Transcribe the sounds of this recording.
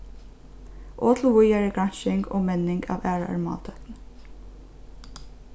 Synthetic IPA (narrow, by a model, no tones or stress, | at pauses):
ʔoːt̪ʰl̩ʋʊjæɹəkʰɹɑnʃɪŋɡo̰ːmɛnɪŋɡɑ̰ːʋæːɹaɑ̰ɹmɑ̰ːlt̪ʰœt̪n